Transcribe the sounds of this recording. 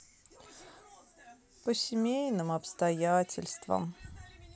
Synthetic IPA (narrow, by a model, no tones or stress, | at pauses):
pəsʲɪmʲejnɨmɐpst̪ɐjatʲɪ̰lʲst̪və̰m